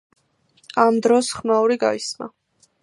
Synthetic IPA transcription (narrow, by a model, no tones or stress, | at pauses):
amd̪ɾɔsχmauɾiɡa̰isma̰